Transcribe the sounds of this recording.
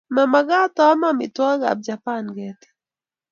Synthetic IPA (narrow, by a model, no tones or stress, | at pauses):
mamaɡataamamḭtwaɡa̰b̚d͡ʒapanɡɛti̥